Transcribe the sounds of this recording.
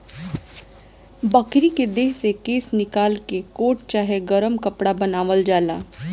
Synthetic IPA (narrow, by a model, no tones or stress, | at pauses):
bɐkɾiked̪eːɦsekeːsnɪkaːlkekoːʈ̚t͡ʃaːɦeɡəɾəmkɐpɽabɐnaːʋəld͡ʒaːlaː